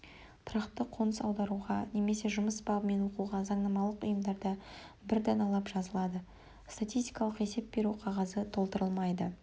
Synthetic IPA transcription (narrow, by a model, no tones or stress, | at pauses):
t̪ʰʊɾɑqt̪əqʰo̞nəsɑwd̪ɑɾuʁɑne̞me̞se̞ʒʊməsbɑʁəme̞nwo̞quʁɑzɑɴnɑmɑlˠəqʊjəmd̪ɑɾd̪ɑ | bɪɾd̪ɑnɑlˠɑpʒɑzəlˠɑd̪ə | st̪at̪ʲijst̪ʲi̥jkɑlˠəqe̞se̞p̚be̞ɾuqʰɑʁɑzət̪ʰo̞lˠt̪əɾəlˠmɑjd̪ə